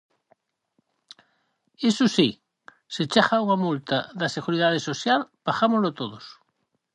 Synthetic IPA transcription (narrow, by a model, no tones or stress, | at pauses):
esosi | set͡ʃaχauŋamult̪aðaseɣuɾiðað̞esoθjalbaxamozlot̪oðos